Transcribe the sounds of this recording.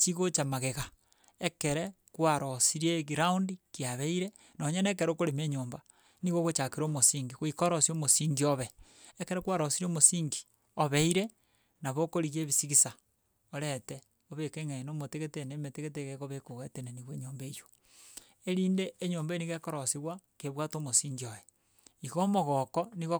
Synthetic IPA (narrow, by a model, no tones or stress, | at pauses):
t͡ʃiɣot͡ʃamaɣeɣa | ekeɾe | kwaɾosiɾeɣiɾaundikjaβeiɾe | noɲenekeɾokoɾemeɲoːmba | niɣoɣot͡ʃakeɾomosiːŋɡiɣoikoɾosiomosiŋɡioβe | ekeɾekwaɾosiɾomosiːŋɡi̥ | oβeiɾe | naβokoɾiɣjeβisiɣisa | oɾete | oβekeŋenomoteɣetenemeteɣeteɣeɣoβekoɣetenaniɣweɲoːmbejo | eɾiːndeːɲoːmbaeniɣekoɾosiɣwakeβwatomosiːŋɡioje | iɣomoɣokoniɣo